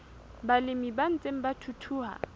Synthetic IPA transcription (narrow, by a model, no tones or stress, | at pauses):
balɪmiban̩t͡sʼem̩batʰutʰuːɦa̰